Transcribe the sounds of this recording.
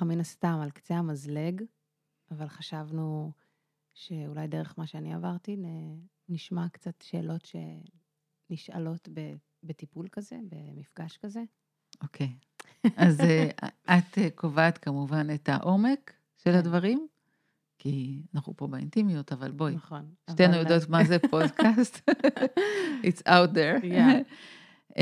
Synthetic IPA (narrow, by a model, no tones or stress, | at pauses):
minast̪amalkt͡seamazle̞ɡ | avalχaʃavnu | ʃe̞ulajde̞ʁeχmaʃeaniavaʁtine | niʃmakt͡satʃe̞̰ːlo̞tʃe̞̰ | niʃa̰lo̞tbe | betipulkazebe̞mifɡaʃkaze̞ | okʰej | azeʔat̪ekovaːtkamuvanetaʔo̞me̞k | ʃe̞lhadvaʁim | kianaχupobeḭntiminotavalbojnʃejanujodot̪mazepodkast̪ | itsawt̪̚d̪eɾ